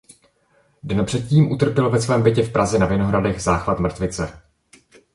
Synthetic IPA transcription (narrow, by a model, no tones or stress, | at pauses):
dɛnpr̥ɛt̪̚ciːmʔut̪r̩pjɛlvɛsvɛːmbɪcɛfpɾʔazɛnavɪno̞ɦɾadɛɣzaːxvat̪mr̩t̪vɪt͡sɛ